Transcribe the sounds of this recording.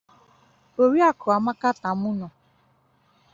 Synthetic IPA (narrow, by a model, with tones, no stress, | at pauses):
o˨ɾi˦a˦kʊ˨a˨ma˦ka˦ta˨mʊ˦nɔ˨